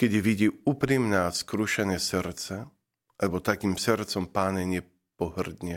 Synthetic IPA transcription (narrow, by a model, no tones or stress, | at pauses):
kɛdiʋiɟiːuːpɾimnɛaskɾuʃɛnɛːsɛɾt͡sɛ | alɛbɔt̪akiːmsɛɾt͡sɔmpaːɲɛɲɪɛ | pɔɦr̩d̪ɲɛ